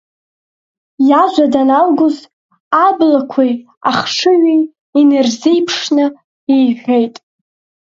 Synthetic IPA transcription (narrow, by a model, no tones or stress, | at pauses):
jaʒʷadanalɡʷʊz | ablakʷʰij | aχʂɨɥi | inɨrzijpʰʂnɨ | ijʒʲejtʼ